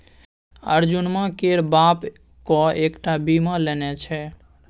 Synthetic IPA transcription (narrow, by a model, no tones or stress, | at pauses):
ə̰ɾd͡ʒunmãkeɾbap | kɔekʈabimãlɛnɛt͡ʃʰɛ